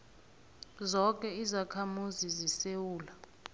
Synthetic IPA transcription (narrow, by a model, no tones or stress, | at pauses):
zɔkʼɛizakʰamuzizisewuːla